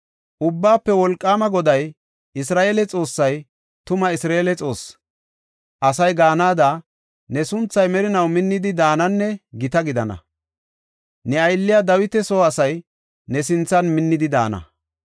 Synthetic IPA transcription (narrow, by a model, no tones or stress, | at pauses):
ʔʊbːaːpːɛwɔlkʼːaːmɐɡɔd̪ɐj | ʔɪsɾaːʔeːlɛt͡sʼo̞ːsːɐj | t̪ʊmɐɪsɾeeːlɛt͡sʼo̞ːs | ʔɐsɐjɡaːnaːd̪a | nɛsʊnt͡sːɐjmɛɾɪnɐwmɪnːɪd̪ɪd̪aːnɐnːɛɡɪt̪ɐɡɪd̪ɐnɐ̰ | nɛɐjlːɪjad̪ɐwɪt̪ɛsoːɐsɐj | nɛsɪnt͡sːɐnmɪnːɪd̪ɪd̪a̰ːnɐ̰